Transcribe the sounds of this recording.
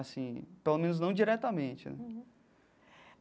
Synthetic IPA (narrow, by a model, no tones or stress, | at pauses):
asĩpelomẽnʊznɐ̃w̃d͡ʒiɾɛt̪amẽt͡ʃɪnɛ̰